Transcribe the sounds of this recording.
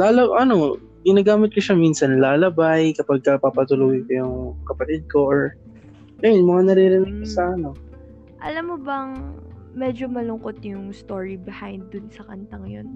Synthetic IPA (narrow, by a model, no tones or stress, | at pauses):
laːlɐʔɐno̞ | ɡɪnaːɡaːmɪt̪̚kʊʃaminsɐnlaːlɐbajkɐpɐɡ̚kɐpapɐt̪ʊluːɡɪkɐjʊŋkɐpɐt̪ɪd̪̚ko̞ʔoɹ | ŋɐjonmɐŋanɐɾiɾɪnɐɡ̚kɐsɐʔɐno̞ | ʔɐ̰lamːobɐŋmɛd͡ʒomɐlʊŋkot̪̚jʊŋst̪oɹibɪhajnd̪ːʊnsɐkɐnt̪ɐŋjon